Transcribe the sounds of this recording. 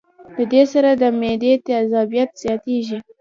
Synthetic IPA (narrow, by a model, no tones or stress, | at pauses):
d̪əd̪esaɾad̪əmed̪et̪ɪazabijat̪z̥jɑt̪eʒi